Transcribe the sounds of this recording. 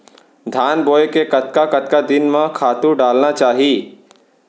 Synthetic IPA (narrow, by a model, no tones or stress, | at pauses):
d̪ʱaːnboːekekɐt̪kakɐt̪kad̪ɪnmẽkʰaːt̪ũɖaːlnat͡ʃaːɦii